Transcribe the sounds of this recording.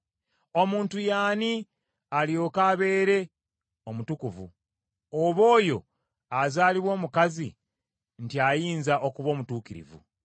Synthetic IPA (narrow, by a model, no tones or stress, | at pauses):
o̞muːntujaːni | aljo̞ːkaβe̞ːɾe̞ | omutukuvṵ | oβo̞ːjo̞ | azaːliβwo̞ːmukazi | ntiajiːnzaʔo̞kuβo̞ːmutuːkiɾḭvṵ